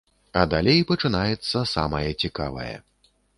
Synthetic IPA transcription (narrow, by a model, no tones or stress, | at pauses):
ɐd̪alʲejpɐt͡ʂɨnajɛt̪sːɐsa̰mɐjɐt͡sʲika̰vɐ̰jɛ̰